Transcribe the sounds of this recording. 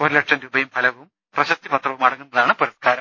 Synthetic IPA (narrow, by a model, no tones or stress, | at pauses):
oɾlɐʈʂɐnɾubɐjumpʰɐlɐʋum | prɐɕɐt̪ːipɐt̪rɐʋumɐɽɐŋːunːɐðaːɳɨpoɾɐt̪̚kʰaːɾɐm